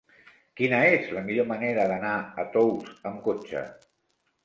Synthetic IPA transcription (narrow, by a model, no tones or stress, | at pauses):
kinəezləmiʎoməneɾəðənaət̪owsəmkot͡ʃə̰